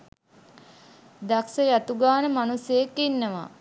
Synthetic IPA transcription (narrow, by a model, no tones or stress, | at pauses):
d̪aksəjat̪uɡaːnəmanuseːkːinːəʋa̰